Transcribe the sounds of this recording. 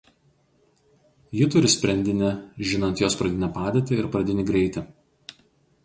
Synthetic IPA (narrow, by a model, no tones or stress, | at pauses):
jɪt̪ʊɾʲɪsʲpʲɾʲɛnʲd̪ʲɪnʲɛʒʲɪnɐnt̪joːspɾɐd̪ʲɪnʲɛpɑːd̪ʲet̪ʲɪɪɾpɾɐd̪ʲɪnʲɪɡɾʲɛɪt̪ʲɪ